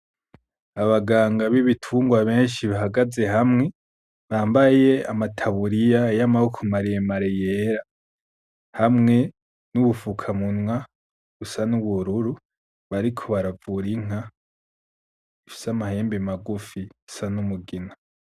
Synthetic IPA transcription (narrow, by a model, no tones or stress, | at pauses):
aβaɡaːŋɡaβiβitʰuːŋɡwaβe̞ːnʃiβaɦaɡaze̞hamŋe̞ | βaːmbaje̞amatʰaβuɾijajamahukʰumaɾijemaɾejeɾa | hamŋe̞ | nuβufukʰamunwa | ɡusanuβuɾuɾu | βaɾikʰo̞βaɾavuɾiŋ̥a | ifi̥samahe̞ːmbemaɡufiɡusanumuɡina